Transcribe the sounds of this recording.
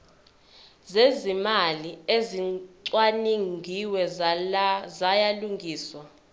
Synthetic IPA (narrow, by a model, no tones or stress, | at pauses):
zezimalieziǀwaniŋɡʱiwɛ | zajaluŋɡʱiːswa